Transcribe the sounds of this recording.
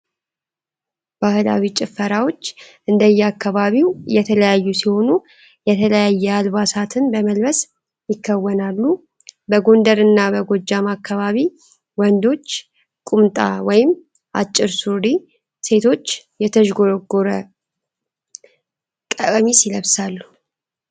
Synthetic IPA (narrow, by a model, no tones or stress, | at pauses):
bahɨla̰wit͡ʃʼɪfːəɾawo̞t͡ʃːʔɨnd̪əjːɛakʰːaβaβiwjɛt̪ʰələjajːusiho̞nu | jɛt̪ʰələjajːɛalβasat̪ʰɨnbəməlβəs | jɪkʰːəwːənalːu | bəɡo̞nd̪əɾɨnːabəɡo̞d͡ʒːamakːaβaβi | wɔnd̪o̞t͡ʃː | kʼumt̪ʼa̰wɔjɪm | ʔa̰t͡ʃʼːɪɾsuɾi | se̞t̪ʰo̞t͡ʃːjɛt̪ʰəʒɡo̞ɾɡoɾə | kʼəkʼmisiləβsalːu